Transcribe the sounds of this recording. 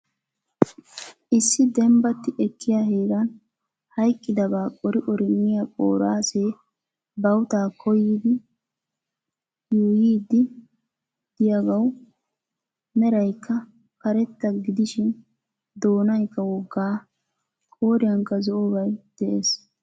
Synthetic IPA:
ʔɪsːɪd̪ɛmbɐt̪ːɪʔɛkːɪjaɦe̞ːɡɐn | hɐjkʼːɪd̪ɐbaːkʼɔɾɪʔɔɾɪmːɪjakʼo̰ːɾaːse̞ː | bɐwt̪aːkʰːɔjiːd̪ɪ | juːjiːd̪ːɪ | d̪̥ɪjaɡɐw | mɛɾɐjkːɐ | kɐɾɛt̪ːɐɡɪd̪ɪʃɪn | d̪o̞ːnɐjkːɐwɔɡːaː | kʼo̞ːɾɪjɐŋkːɐzɔʔɔbɐjd̪̥ɛʔeːs

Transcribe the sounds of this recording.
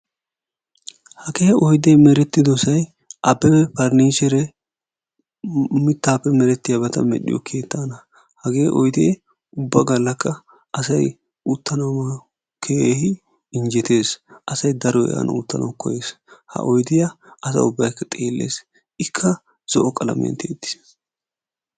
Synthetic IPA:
hɐɡeːʔɔjd̪eːmɛɾɛt̪ːɪd̪ɔsɐj | ʔɐbːɛpɛpɐɾniːʃɛɾɛ | mɪt̪ːaːpːɛmɛɾɛt̪ːɪjɐbɐt̪ɐ̰mɛ̰ɗɪ̰jɔ̰kʰe̞ːt̪ːaːnɐ | hɐɡeːʔɔjd̪ḛː | ʊbːɐɡɐlːɐkːɐ | ɐsɐj | ʊt̪ːɐnɐw | kʰeeːhɪ | ɪnd͡ʒɛt̪e̞ːsʔɐsɐjd̪ɐɾɔ̰ɐ̰nʔɐ̰ʊt̪ːɐnɐ̰wkɔjeːs | hɐ̰ʔɔjd̪ɪjɐɐsɐ̰ʊbːɐjkːɐt̪ʼeːlːḛːs | ʔɪkʰːɐ | z̥ɔʔɔkʼɐlɐ̰mɪ̰ɐ̰nt̪ḛːt̪ːɪ̥s

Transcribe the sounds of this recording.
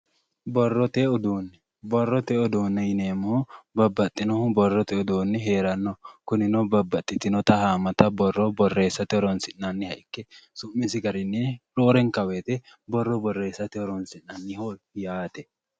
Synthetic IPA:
bɔrːɔt̪ɛɔd̪uːnːɛ | bɔrːɔt̪ɛɔd̪uːnːɛɪneːmːɔhʊbɐbːɐt̪ʼːɪnɔhʊbɔrːɔt̪ɛɔd̪uːnːɪɦeːɾɐnːɔkʊnɪnɔbɐbːɐt̪ʼːɪt̪ɪnɔt̪ɐhaːmɐt̪ɐbɔrːɔbɔrːeːsːɐt̪ɪɔɾɔnsɪnːɐnːɪhɐʔɪkːɛsʊmːɪsɪɡɐɾɪnːɛɾoːɾɛŋkɐwɛt̪ɛbɔrːɔbɔrːe̞ːsːɐt̪ɪɔɾɔnsɪnnɐnːɪho | jaːt̪ɛ

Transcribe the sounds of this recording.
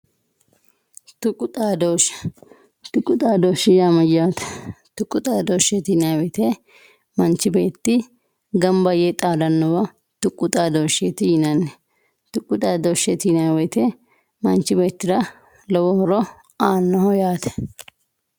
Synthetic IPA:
t̪ʊkʼːʊt̪ʼaːd̪oʃ | t̪ʊkʼːʊt̪ʼaːd̪oʃɪjamɐjaːt̪ɛ̥t̪ʊkʼːʊt̪ʼaːd̪oːʃɛt̪ɪnaːwɛt̪e | mɐnt͡ʃːɪbe̞ːt̪ːɪ | ɡɐmbɐjɛt̪ʼaːd̪ɐnːɔwɐ | t̪ʊkʼːʊt̪ʼaːd̪oʃet̪ɪjɪnɐnːɛ | t̪ʊkʼːʊt̪ʼaːd̪oʃɛt̪inaːwɛt̪e | mɐnt͡ʃɪbe̞ːt̪ːɪd̪ɐ | lɔwɔhɔɾɔ | aːnːɔhɔjaːt̪ɛ̥

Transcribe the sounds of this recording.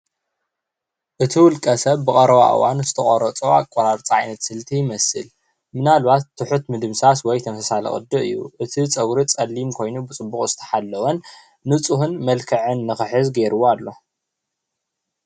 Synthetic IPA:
ʔɨt̪ʰiwʊlkʼɐsɐβːɨkʼɐɾɐβa̰ʔɨ̰wa̰nzɨt̪ʰɐχʼoɾɐt͡sʼoa̰kʼːoɾaɾt͡sʼaajnɐt̪sɨlt̪ʰijɪmɐsɨ̰l | mɨnalβat̪ʰːɨħut̪mɨd̪ɨmsaswɔjt̪ʰɐmsɐsalɐ̰χʼɨ̰d̪ɨʔɨ̰jːṵʔɨt̪ʰit͡sʼɐwɾit͡sʼɐlːimkʰo̞jnubɨt͡sʼɨbːuχʼzɨt̪ʰɐ̥ħalːɐwɐnː | ɨt͡sʼɨɦunmɐlkʰɐʕɨnːɨxɨħɨzɡeɾɨwoalːo̞

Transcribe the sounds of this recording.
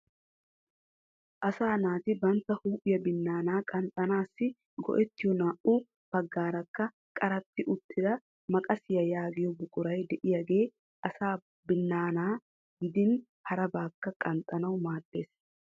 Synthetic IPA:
ʔɐsaːnaːt̪ɪbɐnt̪ːɐhuːʔɪjɐbɪnːaːnaːkʼɐnt̪ʼːɐnaːsːɪ | ɡɔ̰ʔɛt̪ːɪjɔnaːʔʊ | b̥ɐɡːaːɾɐkːɐ | kʼɐɾɐt̪ːɪʔʊt̪ʰːɪd̪ɐ | mɐkʼɐsɪjɐjaːɡɪjɔbʊkʼʊɾɐjd̪ɛʔɪjaɡe̞ː | ʔɐsaː | bɪnːaːnaː | ɡɪd̪ɪn | hɐɾɐbaːkːɐkʼɐnt̪ʼːɐnɐwmaːd̪ʼːe̞ːs

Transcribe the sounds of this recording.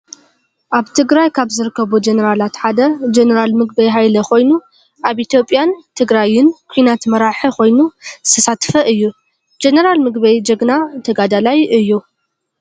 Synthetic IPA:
ʔaβt̪ʰɨɡɾajkʰaβzɨɾɨkːɐβud͡ʒenɐɾalat̪ħad̪ɐd͡ʒenɐɾalmɨɡ̚bɐjɦajlɐkʰo̞jnu | ʔaβʔit̪ʰjo̞pʼjant̪ʰɨɡɾajɪnkʷʰuinat̪mɐɾaħikʰo̞jnuɨ̥t̪ʰɐsat̪fɐʔɨjːu | d͡ʒenɐɾalmɨɡbɐjd͡ʒɐɡnat̪ʰɐɡad̪alajɨjːu

